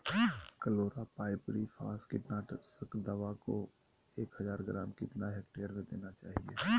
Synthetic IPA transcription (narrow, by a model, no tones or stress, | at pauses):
kəloːɾapaːɪbɾifʰa̰ːskɪʈnaːʈsəkd̪əʋako | eːkɦəzaːɾɡɾaːmkɪt̪naɦɛːk̚ʈejəɾmẽd̪eːnat͡ʃaːɦiḛː